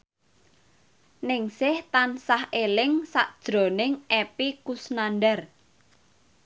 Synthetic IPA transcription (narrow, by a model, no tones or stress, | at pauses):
nɪŋsɪht̪ansahʔelɪŋsa̰ʔd̥ʒ̥ɾo̤nɪŋʔepikusnanɖɛr